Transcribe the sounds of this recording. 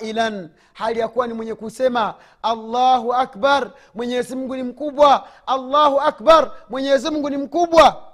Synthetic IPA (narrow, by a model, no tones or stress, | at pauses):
ilan | halijakuwanimwɛɲɛkusɛmaː | lːaɦuakbaɾ | mwɛɲɛzimuŋɡunim̩kuɓwaalːahuakbaɾmwɛɲɛzimuŋɡunim̩kuɓwa